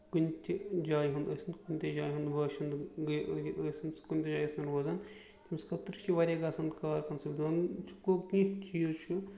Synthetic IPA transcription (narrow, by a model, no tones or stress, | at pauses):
kunʲt̪ʲid͡ʒaːjɦund̪ɐsʲind̪kunʲt̪ʲed͡ʒaːjɦund̪bɐːʃɐnd̪ɡɐsʲinskunʲt̪ʲed͡ʒaːjɐsnɐɾʋoːzaːn | t̪ʰʲimskɐt̪ɾt͡ʃʰiʋaːɾʲaːɡaːsɐnd̪kaːɾkɐnsɐbʲd̪ɐnt͡ʃʰu̥kokĩt͡ʃiːzt͡ʃʰu